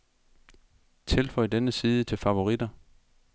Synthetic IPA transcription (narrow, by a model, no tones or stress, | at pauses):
t͡sʰe̝lfɒ̽ɪd̥enəsiːð̞ˠət͡sʰe̝lfɑ̈ʋo̝ʁid̥ɐ